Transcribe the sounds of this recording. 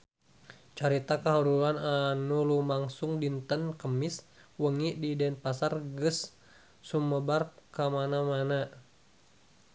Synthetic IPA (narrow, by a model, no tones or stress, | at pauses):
t͡ʃaɾit̪akaɦuɾulananulumaŋsʊŋdint̪ənkəmɪs | wəŋiʔdidɛnpasarɡəsː | uməbarkəmanamana